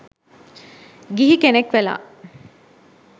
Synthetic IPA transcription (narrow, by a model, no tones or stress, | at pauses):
ɡiɦikenekʋela̰ː